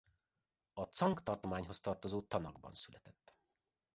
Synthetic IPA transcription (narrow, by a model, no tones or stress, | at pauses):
ɒt̪sɒŋkt̪ɒrt̪omaːɲɦo̞st̪ɒrt̪ozoːt̪ɒnɒɡbɒ̰nsylɛt̪ɛt̪ː